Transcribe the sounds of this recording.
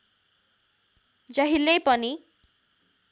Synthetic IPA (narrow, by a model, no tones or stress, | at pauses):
d͡ʒaɦilejpʌni